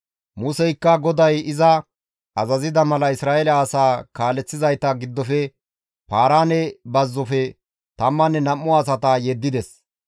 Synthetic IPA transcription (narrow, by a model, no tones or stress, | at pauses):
mʊsɛjkːɐɡɔd̪ɐjɪzɐ | ɐzɐzɪd̪ɐmɐlɐɪsɾaːɛlɐːsaːkaːlɛt͡sːɪzɐjt̪ɐɡɪd̪ːɔfɛ | paːɾaːnɛbɐzːɔfɛ | t̪ɐmːɐnːɛnɐmːɔɐs̬ɐt̪ɐjɛd̪ːɪd̪ɛs